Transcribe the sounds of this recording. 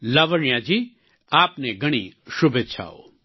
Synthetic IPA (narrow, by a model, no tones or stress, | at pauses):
laːʋəɳijãːd͡ʒiː | aːpneɡɐɽ̃iʃʊbʱet͡ʃʰa̰ːo̰ː